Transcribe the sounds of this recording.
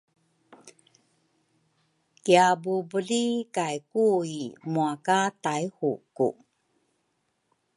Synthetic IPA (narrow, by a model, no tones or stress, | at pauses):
kiabubəlikajkuimuakatajhṵkṵ